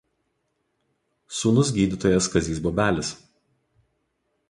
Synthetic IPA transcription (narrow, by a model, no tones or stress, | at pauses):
suːnʊs̬ɡʲiːd̪ʲɪt̪oːjɛskɐzʲiːsbɔːbʲæːlʲɪs